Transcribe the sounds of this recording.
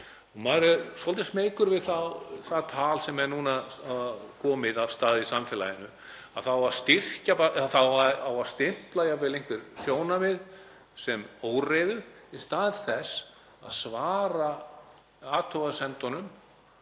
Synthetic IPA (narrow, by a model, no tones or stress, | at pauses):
maɾɛsɔlt̪ɪsmeːjkʏɾvɪðθawθaðt̪ʰaːlsɛmːɛnuna | kʰɔːmɪðavst̪aːðisamfɛːla̰jɪnʏ | a̰θawast̪ir̥capaɛðaθawaawḁst̪ɪm̥plajavɪlejŋ̥kvɪɾ̥sjoːwnamɪð | sɛmoːwrejðʏist̪aːðɪ̥θɛs | a̰ðsvaːɾa | aːt̪ʰowɣasɛnt̪ɔnʏm